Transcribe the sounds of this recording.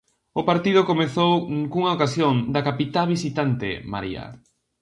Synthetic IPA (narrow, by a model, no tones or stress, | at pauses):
ʊpaɾt̪ið̞okomeθowkuŋaokasjoŋd̪akapit̪aβ̞isit̪ant̪ḛma̰ɾḭa̰